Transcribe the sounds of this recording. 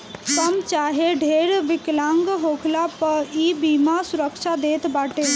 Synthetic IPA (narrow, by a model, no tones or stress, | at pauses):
kəmt͡ʃaːɦeɖʱeːɾʋɪklãːŋɡɦoːkʰlapəɾiːbiːmasʊɾəkʃʰad̪eːt̪baːʈe